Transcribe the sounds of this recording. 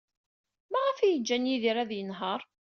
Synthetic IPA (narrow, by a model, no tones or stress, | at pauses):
mæʁæfæjəd͡ʒːænjiðiɾæðjənɦəɾˤ